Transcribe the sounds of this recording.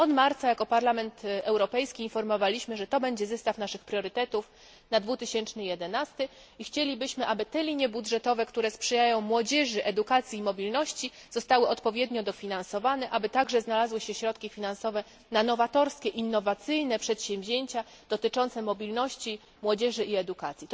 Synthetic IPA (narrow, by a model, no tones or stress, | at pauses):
ɔt̪maɾt̪sajakɔpaɾlamɛnt̪ɛwɾɔpɛjskʲiːnfɔɾmɔvalʲiɕmɘʐɛt̪ɔbɛɲd͡ʑɛzɛst̪afnaʂɘxpɾʲjɔɾɘt̪ɛt̪uf | nad̪vut̪ɘɕɛnt͡ʂnɘjɛd̪ɛnast̪ɘ | ixt͡ɕelʲibɘɕmɘʔabɘt̪ɛlʲiɲjɛbudʐɛt̪ɔvɛkt̪uɾɛspʂɛjajɔ̃w̃mwɔd͡ʑɛʐɘʔɛd̪ukat̪sʲjiːmɔbʲilnɔɕt͡ɕiz̥ɔst̪awɘʔɔt̪pɔvʲjɛd̪ɲɔd̪ɔfʲinansɔvanɛʔabɘt̪aɡʐɛznalazwɘɕɛɕɾɔt̪kʲifʲinansɔvɛ | nanɔvat̪ɔɾskʲɛʔinːɔvat̪sɘjnɛpʂɛt̪ɕɛ̃mvʑeɲt͡ɕa | d̪̥ɔt̪ɘt͡ʂɔnt̪sɛmɔbʲilnɔɕt͡ɕi | mwɔd͡ʑɛʐɘʔiɛd̪ukat̪sʲji